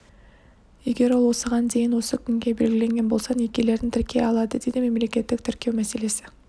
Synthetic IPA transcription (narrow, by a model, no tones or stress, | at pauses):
je̞ɡʲe̞ɾwo̞lˠwo̞səʁɑnd̪e̞jɪnwo̞səkʲʰʏŋɡʲe̞be̞̰lɡʲɪle̞ŋɡʲe̞nbo̞lˠsɑnekʲe̞le̞ɾd̪ɪnt̪ʰɪɾkʲe̞ɑlˠɑd̪əd̪e̞d̪ɪme̞mle̞kʲe̞t̪ːɪk̚t̪ʰʏɾkʲe̞wmæse̞le̞sɪ